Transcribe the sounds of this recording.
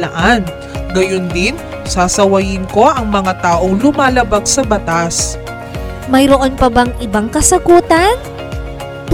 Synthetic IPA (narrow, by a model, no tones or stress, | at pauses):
ɐʔan | ɡɐjond̪ɪn | saːsɐwɐjɪnko̞ʔɐŋmɐŋat̪aːʔo̞ŋlʊmaːlɐbaɡ̚sɐbɐt̪as | mɐjɾoʔonpɐbɐŋʔɪbaŋkɐsɐɡuːt̪ɐn